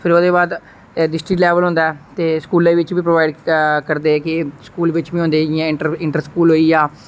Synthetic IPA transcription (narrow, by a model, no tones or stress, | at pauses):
pʰɪɾoːd̪eːbaːd̪ | ɖɪsʈɾɪklɛːʋəlɦõnd̪aɛːt̪eːskuːlẽːʋɪt͡ʃbiːpɾoʋaːɪɖkəɾd̪eːkɪskuːlʋɪt͡ʃbĩɦõnd̪eːɪjãːɪɪɳʈəɾskuːlɦoːiːaː